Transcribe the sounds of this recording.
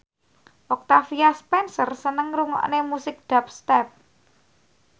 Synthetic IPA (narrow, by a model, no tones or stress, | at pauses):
ʔɔk̚t̪afiaspɛnsərsənəŋɾuŋɔ̰ʔnemusɪk̚ɖ̪̥a̤p̚st̪ɛp̚